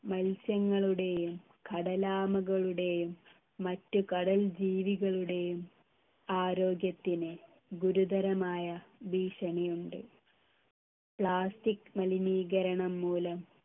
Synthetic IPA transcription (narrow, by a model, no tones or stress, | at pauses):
mɐlsjɐŋːɐɭuɽe̞jjum | kʰɐɽɐlaːmɐɣɐɭuɽe̞jumː | ɐtːukɐɽɐld͡ʑiːʋiɣɐɭuɽe̞jum | aːɾo̞ːɡjɐt̪ːinɨ | ɡuɾud̪ɐɾɐmaːjɐbiːʂɐɳɐjuɳɖɨ | pɭaːstikːmɐliniːɡɐɾɐɳɐmːuːlɐm